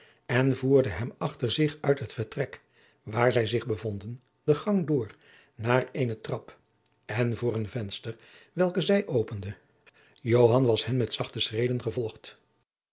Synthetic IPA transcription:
ɛnvuːɹdəɦɛmɑχtəɹzɪχœɥtɦətfəɹtrɛk | ʋaːɹzɛjzɪχbəvɔndən | dəχɑŋdʊːɹ | naːreːjnətrɑp | ɛnvʊːrənvɛnstər | ʋɛlˠkəzɛjʔowpəndə | jowɦɑnʋɑshɛmːɛtsɑχtəsrejdənχəvɔlˠχt

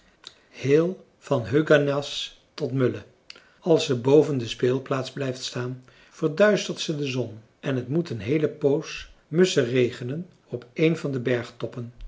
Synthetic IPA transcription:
heːlˠ | v̥ɑnɦøɥɡanɑs | tɔtmɵlə | ɑlˠsəbowvəndəspeːlˠplaːtzblɛjftstaːn | v̥əɹdœɥstəɹtsədəzɔn | ɛnɦətmutənɦejləpowsmɵsərejχənən | ɔpejnvɑndəbɛɹχtɔpən

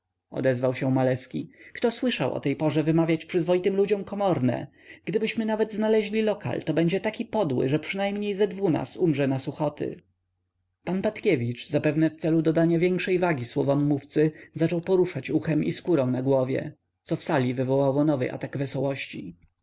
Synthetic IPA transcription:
ɔ̰d̪ɛzvawɕɛmalɛskʲikt̪ɔswɘʂawʔɔ̰t̪ɛjpɔʐɛvɘmavʲjat͡ɕpʂɘzvɔit̪ɘmlud͡ʑɔmkɔmɔɾnɛ̰ | ɡ̥d̪ɘbɘɕmɘnavɛd̪znalɛʑlʲilɔka̰lt̪ɔbɛɲd͡ʑɛt̪akʲipɔd̪wɘ̰ʐɛpʂɘnajmɲejzɛd̪vuna̰sumʐɛnasuxɔt̪ʰɘ̰ | panpat̪kʲevʲit͡ʂzapɛvnɛft̪sɛlud̪ɔd̪aɲavʲjɛŋkʂɛjvaɡʲiswɔvɔmːuft̪sɘzat͡ʂɔwpɔɾuʂat͡ɕuxɛmʔiskuɾɔ̃w̃naɡwɔvʲjɛ̰ | t̪sɔfsalʲivɘvɔwawɔnɔvɘ̰ʔa̰t̪aɡvɛsɔwɔɕt͡ɕi

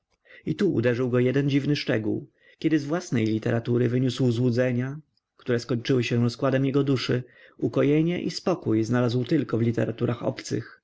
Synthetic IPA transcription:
it̪uʔṵd̪ɛʐɘwɡɔjɛd̪ɛnd͡ʑivnɘʂt͡ʂɛɡṵw | kʲɛd̪ɘzvwasnɛjlʲit̪ɛɾat̪uɾɘvɘɲuswzwud̪zɛɲa | kt̪uɾɛskɔɲt͡ʂɘwɘɕɛɾɔskwad̪ɛmjɛɡɔd̪uʂɘukɔjeɲɛʔispɔkujznalazwt̪ɘlkɔvlʲit̪ɛɾat̪uɾʔaxɔ̰pt̪sɘ̰x

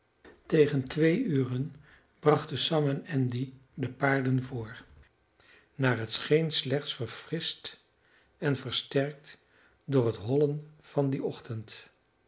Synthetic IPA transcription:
tejχəntʋejyːrən | brɑχtəsɑmɛnɛndidəpaːɹdənvʊːɹ | naːɹɦətsχejnslɛχtsfəɹfrɪst | ɛnvəɹstɛɹk̚t | dʊːɹɦətɦɔlənv̥ɑndiɔχtənt

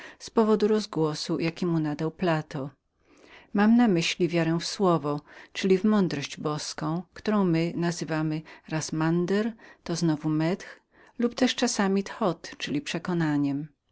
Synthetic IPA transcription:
spɔvɔd̪uɾɔzɡwɔsujakʲimunad̪awplat̪ɔ | mamnamɘɕlʲivʲjaɾɛ̃fswɔvɔt͡ʂɘlʲivmɔnd̪ɾɔɕd͡ʑbɔskɔ̃w̃kt̪uɾɔ̃w̃mɘnazɘvamɘɾasmand̪ɛɾt̪ɔznɔvumɛt̪x | lupt̪ɛʂt͡ʂasamʲit̪xɔt̪t͡ʂɘlʲipʂɛkɔnaɲɛm

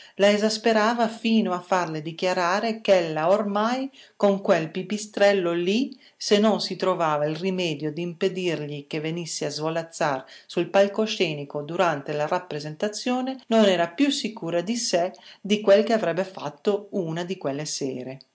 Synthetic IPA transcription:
laezaspeɾaːvafiːnoafːarled̪ik̟jaɾaːɾekɛlːaormajkoŋkwelpipist̪ɾɛlːoli | senːonsit̪ɾovaːvailrimɛːd̪jod̪iːmped̪irʎikevːenisːeazvolat̪sːarsulpalkoʃɛːnikod̪uɾant̪elaɾapːɾezent̪at̪sːjoːnenonɛːɾapjusːikuːɾad̪ised̪ikwelkeavɾɛbːefa̰t̪ːounad̪ikwelːesɛːɾe

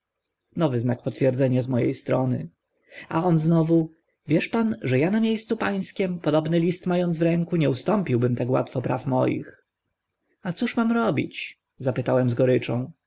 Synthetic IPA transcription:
nɔvɘznakpɔt̪fʲjɛɾd̪zɛɲazmɔjḛjst̪ɾɔnɘ̰ | a̰ɔnznɔvu | vʲjɛʂpanʐɛjanamʲjejst̪supaj̃skʲɛmpɔd̪ɔbnɘlʲist̪majɔnd̪zvɾɛŋkuɲɛust̪ɔmpʲiwbɘmt̪akwa̰t̪fɔpɾa̰fmɔ̰jḭx | at̪suʂmamɾɔbʲḭt͡ɕ | zapɘt̪awɛmzɡɔɾɘt͡ʂɔ̰̃w̃

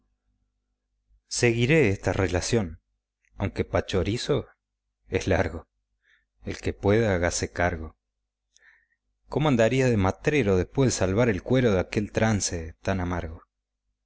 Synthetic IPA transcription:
seɣiɾe̞est̪arelasjo̞n | awŋkepat͡ʃo̞ɾiso̞ | eslaɾɣo̞ | ḛlkepweðaɣasekaɾɣo̞ | komoand̪aɾiaðemat̪ɾeɾo̞ð̞ehpwe̞hðesalβaɾelkwe̞ɾoðeakelt̪ɾanset̪anamaɾɣo̞

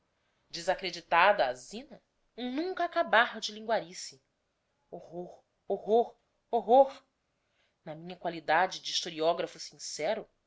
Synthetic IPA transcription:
d͡ʒɪzakɾed͡ʒit̪ad̪ɐazĩnɐ | nũŋkɐakabaɾd͡ʒɪlĩŋɡwaɾisɪ | ohoɾ | oɦoɾ | oɦoɾ | nɐmĩɲɐkwalid̪ad͡ʒɪd͡ʒiʃt̪oɾiɔɡɾɐfusĩŋsɛɾʊ

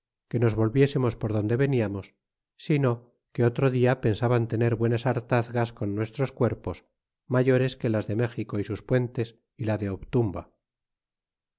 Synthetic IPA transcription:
ke̞no̞zβo̞lβje̞se̞mo̞spo̞ɾð̞o̞nd̪e̞βe̞niamo̞sː | ino̞ | ke̞o̞t̪ɾo̞ðiape̞nsaβant̪ene̞ɾβwe̞nasaɾt̪aθɣasko̞nːwe̞st̪ɾo̞skwe̞ɾpo̞s | maʝo̞ɾe̞ske̞lazðe̞me̞xiko̞isuspwe̞nt̪e̞s | ilaðe̞oβt̪umba

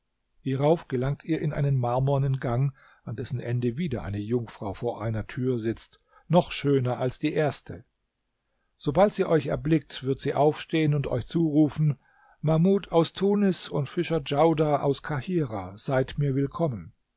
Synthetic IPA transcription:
hiːʁaʊfɡ̥əlaŋk̚tʰiːɐʔɪnʔa̰ɪnənmaɐmɔɐnɪnɡaŋ | andɛsn̩ʔɛndəviːdɐʔaɪnəjʊŋfʁ̥aʊfoːɐʔaɪnɐtʰyːɐzɪt͡st | nɔχʃøːnɐʔalsd̥iːʔeːɐstʰə | z̥obaltz̥iːʔɔʏçɛ̰ɐblɪk̚tv̥ɪɐtz̥iːʔaʊfʃteːənʊntʰɔ̰ʏçt͡suːʁuːfn̩ | mamuːtʰaʊstʰuːnɪsʊntfɪʃɐd͡ʒaʊdaʔa̰ʊskʰahiːʁaːz̥aɪtmiːɐvɪlkʰɔmən

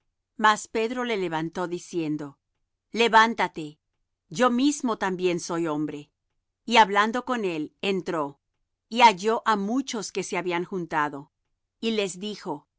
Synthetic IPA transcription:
maspe̞ðɾo̞le̞le̞βant̪o̞ðisje̞nd̪o | le̞βant̪at̪e̞ | ʝo̞mizmo̞t̪ambje̞nso̞jo̞mbɾe̞ | iaβland̪o̞ko̞ne̞lent̪ɾo̞ | iaʝo̞ʔamut͡ʃo̞ske̞seaβiaŋxunt̪aðo̞ | ile̞zðixo̞

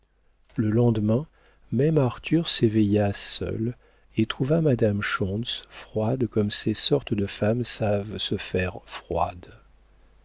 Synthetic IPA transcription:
ləlɑ̃d̪mɛ̃ | mɛmaʁt̪yʁsevejasœ̰l | et̪χuvamad̪amʃɔ̃sfχwad̪kɔmsesɔʁt̪d̪əfamsavsəfɛʁfχwa̰d̪

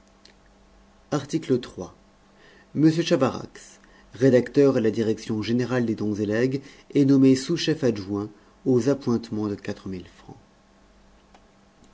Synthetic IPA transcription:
aʁt̪iklət̪χwa | məsjøʃavaʁa̰ks | ʁed̪akt̪œʁelad̪iʁɛksjɔ̃ʒeneʁald̪ed̪ɔ̃zelɛɡ | ɛnɔmesuʃɛfaʒwɛ̃ | ozapwɛ̃t̪mɑ̃d̪əkat̪χəmilfχɑ̰̃

